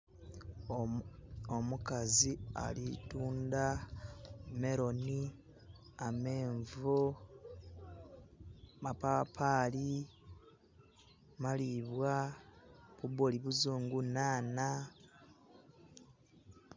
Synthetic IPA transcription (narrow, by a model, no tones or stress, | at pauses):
omukazia̰lituːnda | me̞ɾo̞ni | ame̞ːɱvo | mapapʰaːli | maliβwa | βuβoliβuzuːŋɡunaːna